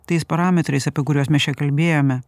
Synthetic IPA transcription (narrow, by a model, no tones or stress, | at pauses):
t̪ɐɪspɐɾɑːmʲɛt̪ɾɐɪsɐpʲiɛkʊɾʲuɔːsmʲɛst͡ʃʲɛkɐlʲbʲeːjoːmʲɛ